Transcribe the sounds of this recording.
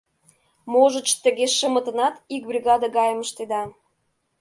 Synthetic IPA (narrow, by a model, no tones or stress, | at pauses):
moʒə̆t͡ɕt̪ə̆ɣeʃə̆mə̆t̪ə̆nɑt̪ik̚brʲiɣɑd̪əɡɑjəmə̆ʃt̪ed̪ɑ